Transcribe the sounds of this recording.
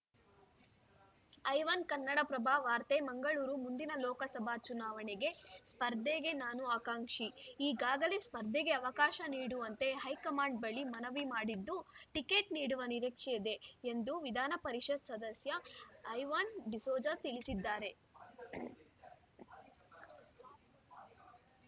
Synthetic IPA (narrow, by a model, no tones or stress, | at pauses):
ɐjʋɐnkɐnːɐɽɐpɾɐbʱaːʋaːɾt̪emɐŋɡɐɭuːɾumund̪inɐlɔːkɐsɐbʱat͡ʃunaːʋɐɳeɡe̞spɐɾd̪ʱeːɡe̞naːnuaːkaːŋʂiiːɡaːɡɐle̞spɐɾd̪ʱːeɡe̞ɐʋɐkaːʃɐniːɽuʋɐnt̪e̞ɦɐjkɐmaːɳɖ̚bɐɭimɐnɐʋimaːɽid̪ːuʈike̞ːʈniːɽuʋɐniɾikʂɛjɐd̪e̞ːnd̪uʋid̪ʱaːnɐpɐɾiʃɐd̪sɐd̪ɐsjɐːjʋɐnɖisoːd͡ʒɐɾt̪ilisid̪ːaːɾe̞